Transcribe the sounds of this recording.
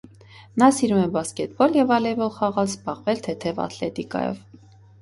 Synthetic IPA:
nɑsiɾumɛbɑskɛt̪̚bɔljɛvɑlɛvɔlχɑʁɑlzbɑʁvɛlt̪ʰɛt̪ʰɛvɑ̰t̪lɛ̰t̪ikɑ̰jɔ̰v

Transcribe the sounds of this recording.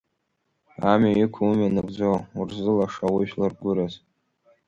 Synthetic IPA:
amʲajikʷʰumanɨkʷʼd͡zowurzɨlaʂawiʃlarɡʷʊɾaz

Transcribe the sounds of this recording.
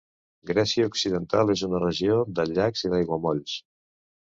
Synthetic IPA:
ɡɾɛsiəuksiðənt̪alˠezunərəʒiod̪əʎakziðajɣwəmɔʎs

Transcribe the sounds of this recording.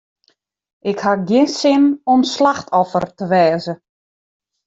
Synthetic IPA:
ʔɪkhaɡjɪnsɪnɔmslaxtʰɔfə̰rtəʋɛːzə

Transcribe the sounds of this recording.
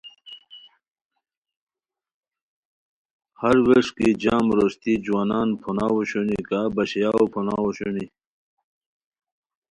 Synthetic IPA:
hɐɾweʂkid͡ʑaːmɾost̪id͡ʑuwaːnaːnpʰonawuɕunikaːbɐɕjaːopʰona̰ːwoɕuni

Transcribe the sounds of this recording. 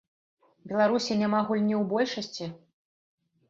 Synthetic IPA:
bʲɛlˠaɾusʲinʲamaɣulʲnʲiwbɔlʲʂɐsʲt͡sʲi

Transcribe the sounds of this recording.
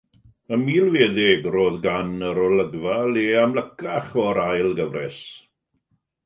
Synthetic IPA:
əmiːlˠveːðɪɡroːðɡanəɾɔləɡvalˠeamləkʰaχɔɾajlˠɡəvrɛs

